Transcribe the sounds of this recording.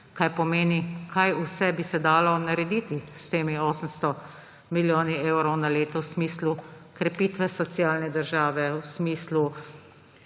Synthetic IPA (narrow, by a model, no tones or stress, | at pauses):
kajpɔmeːnikʰajusɛbisɛd̪aːlɔnaɾɛd̪iːt̪ist̪eːmioːsəmst̪ɔ | miljoːnieːwɾɔwnaleːt̪ɔwsmiːslukɾɛpiːt̪ʋɛsɔt̪sjaːlnɛd̪əɾʒaːʋɛwsmiːslu